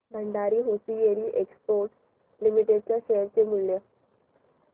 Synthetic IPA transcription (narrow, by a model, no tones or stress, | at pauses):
b̪ʱəɳɖaɾiːɦosijeɾiːʔekspoɾʈ | limiʈeɖ̚t͡ɕjaɕeɾt͡semulːje